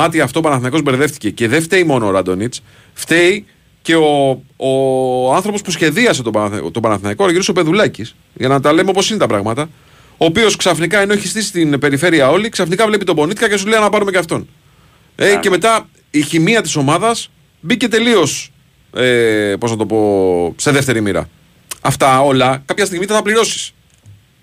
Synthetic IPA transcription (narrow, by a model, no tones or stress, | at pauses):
ɐt̪iɐft̪oːpɐnɐθinɐiko̞zbe̞ɾðe̞ft̪i̥ce̞ce̞ðeft̪e̞imo̞noːɾɐd̪o̞nit͡s | ft̪e̞i | ce̞o̞oɐnθɾo̞po̞spusçe̞ðiɐse̞t̪ot̪o̞bɐnɐθnɐikoɾɐʝiɾosope̞ðulɐcis | ʝɐnɐt̪ɐle̞meopo̞sine̞t̪ɐpɾɐɣmɐt̪ɐ | o̞ːpio̞sksɐfnikɐeno̞eçist̪isi̥t̪inpe̞ɾife̞ɾiɐo̞liksɐfnikɐvle̞pit̪o̞bo̞nit̪ikɐcesuleɐnɐpɐɾume̞ceɐft̪o̞n | ece̞me̞t̪ɐ | içimiɐt̪iso̞mɐðɐs | bice̞t̪e̞lio̞s | epo̞nɐt̪o̞po̞se̞ðeft̪e̞ɾimiɾɐ̰ | ɐft̪ɐo̞lɐkɐpçɐst̪iɣmit̪ɐt̪ɐpliɾo̞si̥s